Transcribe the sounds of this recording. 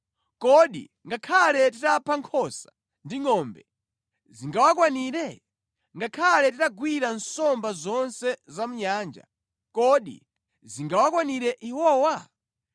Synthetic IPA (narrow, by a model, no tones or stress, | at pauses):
kɔɗḭ | ŋɡakʰalɛtitapʰaŋkʰɔsḁ | ndiŋɔmbɛ | ziŋɡawakwaniɾɛ | ŋɡakʰalɛtitaɡwiɾansɔmbazɔnsɛzamuɲaːnd͡ʒa̰ | kɔɗḭ | ziŋɡawakwaniɾɛʔiwɔːwa